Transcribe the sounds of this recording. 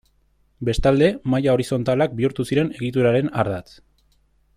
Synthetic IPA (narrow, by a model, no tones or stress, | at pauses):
be̞st̪ald̪e̞majao̞ɾiso̞nt̪alak̚biuɾt̪usiɾe̞ne̞ɣit̪̬uɾaɾe̞na̰ɾðat͡s